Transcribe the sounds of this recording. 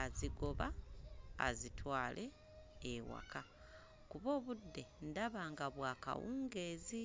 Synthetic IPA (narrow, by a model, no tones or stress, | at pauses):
aziɡo̞βa̰ː | zitʰwaːlʔe̞ː | wa̰kʰa | kuβo̞ːβudːe̞ndaβaːŋɡaβwaːka̰wuːŋɡe̞ːzi